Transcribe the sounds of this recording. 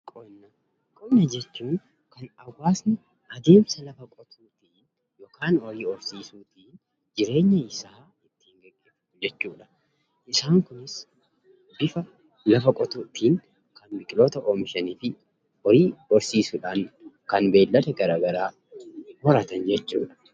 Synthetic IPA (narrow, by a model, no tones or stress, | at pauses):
kʼɔnːɐ | kʼɔbnɐd͡ʒɛt͡ʃːuːn | kɐnɐwːaːsnɪ | ʔɐd̪e̞ːmsɐlɐfɐkʼɔt̪ʰuːt̪iːn | jo̞ːkaːnɔɾiːɔɾsiːsuːt̪iːn | d͡ʒɪɾe̞ːɲːɐɪsaː | ɪt̪ːi̥ːŋɡɐeʊ | d͡ʒɛt͡ʃːuːᶑɐ̥ | ʔɪsaːŋkʊnɪs | bɪfɐ | lɐfɐkʼɔt̪uːt̪iːŋ | kɐnbɪkʼɪlo̞ːt̪ɐʔoːmɪʃɐniːfɪ | ɔɾiːɔɾsiːsʊᶑankɐnbe̞ːlːɐt̪ɛɡɐɾɐɡɐɾaː | hɔɾɐt̪ɐnd͡ʒɛt͡ʃːṵːᶑɐ̥